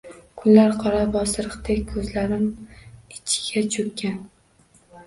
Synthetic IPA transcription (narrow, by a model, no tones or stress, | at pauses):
kʰʊnlaɾqʰɒɾabɒsɾɨqt̪ekʲkʰɵzlaɾɪmɪt͡ʃʰɪ̥ɡʲat͡ʃʰɵkʲʰːan